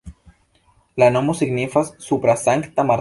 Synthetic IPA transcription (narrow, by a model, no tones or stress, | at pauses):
lanomosiɡnifassupɾasaŋkt̪amaɾ